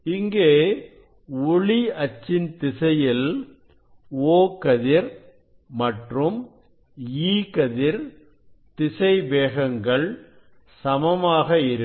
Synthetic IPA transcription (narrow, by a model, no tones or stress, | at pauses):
ɪŋɡeː | ʊɭiɐt͡ʃːɪnt̪ɪsɐjɪl | oːkɐðɪɾ | mɐʈrɯm | iːkɐðɪɾ | t̪ɪsɐɪʋeːɣɐŋɡɐɭ | sɐmɐmaːɣɐɪɾɯ